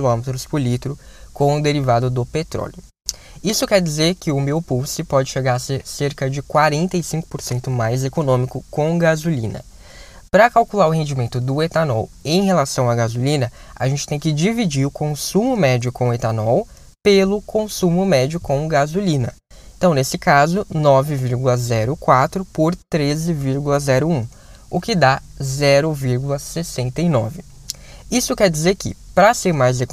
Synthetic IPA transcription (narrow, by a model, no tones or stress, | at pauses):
lõmet̪ɾʊspʊɾlit̪ɾʊkõw̃ʊd̪eɾivad̪ʊd̪ʊpet̪ɾɔ̰ljʊ | isʊkɛɾd͡ʒizeɾkɪʊmewpuwsɪpɔd͡ʒɪʃeɡaɾseɾseɾkɐd͡ʒɪkwaɾẽnt̪ɐisĩŋkʊ̥poɾsẽnt̪ʊmajzekonõmikʊkõw̃ɡazulḭ̃nɐ̰ | pɾɐkawkulaɾʊhẽnd͡ʒimẽnt̪ʊd̪ʊet̪anɔ̰wẽj̃helasɐ̃w̃aɡazulĩnɐa̰ʒẽnt͡ʃɪ̥t̪ẽj̃kɪd͡ʒivid͡ʒiɾʊkʰõsũmʊmɛd͡ʒʊkõw̃et̪anɔw | pelʊkõsũmʊmɛd͡ʒʊkõw̃ɡazulĩnɐ | ẽt̪ɐ̃w̃nesɪkazʊnɔvɪviɾɡulɐzɛɾʊkwat̪ɾʊpoɾt̪ɾezɪviɾɡulɐzɛɾʊũ | ʊkɪd̪azɛɾʊviɾɡulɐsesẽnt̪ɐinɔvɪ | isʊkɛɾd͡ʒizeɾkɪ̰pɾɐseɾmajze